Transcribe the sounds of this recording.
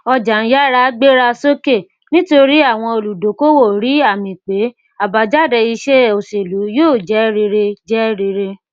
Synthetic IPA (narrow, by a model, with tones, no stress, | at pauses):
ɔ˧d͡ʒa˨˦ja˦ɾa˦ɡ͡be˦ɾa˧so˦ke˦˨ | nĩ˦to˧ɾi˦a˦˨w̃ɔ̃˧o˨lu˨do˨˦ko˦wo˦˨ɾi˦a˦˨mĩ˨k͡pe˨˦ | a˨ba˧d͡ʒa˦˨dɛ˧i˧ʃe˦o˨se˨lu˨˦joː˦˨d͡ʒɛ˨˦ɾe˧ɾe˧d͡ʒɛ˦ɾe˧ɾe˧